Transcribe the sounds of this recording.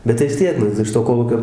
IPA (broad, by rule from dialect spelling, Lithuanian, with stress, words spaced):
ˈbʲɛt tɐɪ ʋʲɪs ˈtʲiɛk ˈnʊ ɪʃ toː ˈkoːlˠuːkʲoː